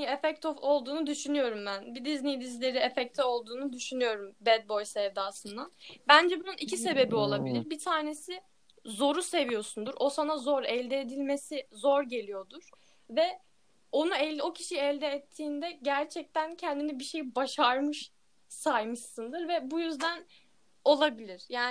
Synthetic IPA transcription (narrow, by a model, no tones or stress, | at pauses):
iɛfɛc̚t̪ʰofo̞lˠd̪uːnud̪yʃynyjo̞ɾumbænbid̪iznijd̪izlʲe̞ɾiefɛc̚t̪ʰɛo̞lˠd̪uːnud̪yʃynyjo̞ɾumbɛd̪̚bo̞jsɛvd̪aːsˠɯnd̪anbænd͡ʒɛbununicʰise̞be̞bio̞lˠabilʲiɾbit̪ʰaːne̞si | zo̞ɾuse̞vijo̞sund̪uɾʔo̞sanazo̞ɾɛlʲd̪ɛːd̪ilʲme̞sizo̞ɾɟe̞lʲijo̞d̪uɾ̥ | vɛ | o̞nuɛlo̞cʰiʃijɛlʲd̪ɛːt̪ʰːiːnd̪ɛɟæɾt͡ʃʰɛc̚t̪ʰæncʰɛnd̪inibiʃe̞jbaʃaɾmɯʃ | sajmɯʃsɯnd̪ɯɾvɛbujyzd̪æn | o̞lˠabilʲiɾ̥jaː